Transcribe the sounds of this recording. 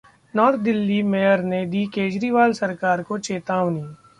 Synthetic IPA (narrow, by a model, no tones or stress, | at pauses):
nɔːɾt̪̚d̪ɪlːimejəɾned̪iːkeːd͡ʒɾiʋaːlsɐɾkaːɾkot͡ʃeːt̪aːʋni